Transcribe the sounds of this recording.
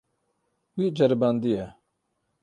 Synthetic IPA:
wiːd͡ʒɐɾbaːnd̪iɛ

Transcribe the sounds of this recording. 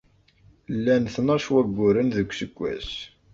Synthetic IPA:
lːænθnɑʃwæɡʷːʊɾənðəkʷːsəɡʷːæ̰s

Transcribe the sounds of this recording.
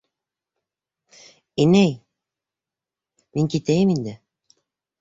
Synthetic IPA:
inæj | miŋkit̪æjɘmind̪ɘ

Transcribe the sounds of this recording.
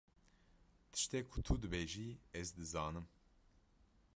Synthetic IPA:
t̪ʰɨ̥ʃt̪ɛkʰut̪ʰud̪ɨbeːʒiɛzd̪ɨzɑːnɨm

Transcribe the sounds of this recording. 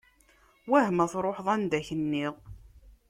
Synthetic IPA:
wæhmæθɾˤoħðˤænd̪æçənːɪðˤ

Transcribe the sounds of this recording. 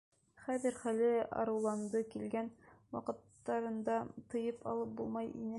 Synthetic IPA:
χæðɘɾχælɘɑ̰ɾɤ̆wlˠɑnd̪ɤkilɡænwɑ̰qɤ̆t̪ːɑɾɤ̆nd̪ɑt̪ɤ̆jɤpʰɑ̰lˠɤp̚bulˠmɑjḭnɘ

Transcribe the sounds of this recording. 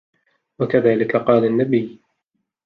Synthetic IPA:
wakaðaːlɪkaqɑːlanːabɪj

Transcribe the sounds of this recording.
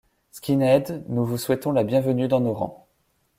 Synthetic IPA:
skʲinɛd̪nuvuswɛt̪ɔ̃labjɛ̃vənyd̪ɑ̃noʁɑ̰̃

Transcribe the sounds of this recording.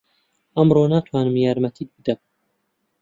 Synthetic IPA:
ɐmroːnaːt̪ʰwaːnɨmjaːɾmɐt̪ʰiːk̪̚bɨd̪ɐb

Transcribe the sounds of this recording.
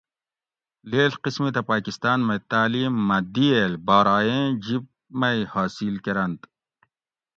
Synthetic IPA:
leːlqismit̪ɐpaːkist̪aːnmɐt̪aːliːmːɐd̪ielbaːɾaːjẽːd͡ʑib̚ | mɐjhaːsilkeɾɐnt̪

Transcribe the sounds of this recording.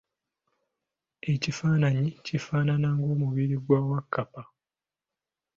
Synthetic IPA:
e̞cifaːnaɲicifaːnanaŋɡo̞ːmuβiɾiɡwaːwakʰːapa

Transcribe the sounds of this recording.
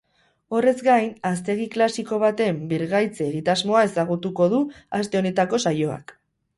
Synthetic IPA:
o̞re̞zɡajnast̪e̞ɣ̞iklasiko̞β̞at̪e̞mbiɾɣajt͡seːɣit̪azmo̞ae̞saɣ̞ut̪uko̞ð̞uast̪e̞o̞ne̞t̪ako̞sajo̞a̰k

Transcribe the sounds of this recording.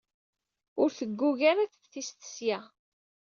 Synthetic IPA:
ʊɾθəɡːuʝaɾat͡sθist̪ə̥sjæ

